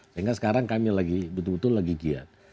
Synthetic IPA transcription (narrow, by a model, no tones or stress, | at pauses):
aŋɡasə̥kaɾaŋkamilaɡibət̪ʊlbət̪ʊlːaɡiɡia̰t̪̚